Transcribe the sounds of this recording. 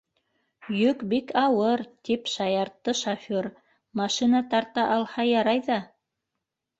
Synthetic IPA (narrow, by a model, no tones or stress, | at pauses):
jɵkbikɑwɤɾt̪ipʃɑjɑɾt̪ːɤʃafʲoɾ | mɑʃinɑt̪ɑɾt̪ɑʔɑlˠhɑjɑɾɑjðɑ